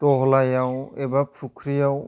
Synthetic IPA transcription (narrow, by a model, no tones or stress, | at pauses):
tɔɦɔlajawebapʰukʰɾijaw